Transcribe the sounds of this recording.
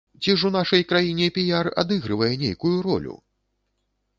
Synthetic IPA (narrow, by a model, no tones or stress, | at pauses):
t͡sʲiʂunaʂɐjkɾajinʲɛpʲijara̰d̪ɨɣɾɨvɐjɛnʲejkujuɾɔ̰lʲṵ